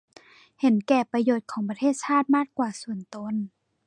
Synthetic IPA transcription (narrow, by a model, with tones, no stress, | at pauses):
he˨˩˦nkɛː˧˩pa˧joː˧˩t̪̚kʰɔː˩˦ŋpa˧t̪ʰeː˥˩t̪̚sʰaː˥˩t̪̚maː˥˩k̚kwaː˨˧˩su˨˩ənt̪o˧˨n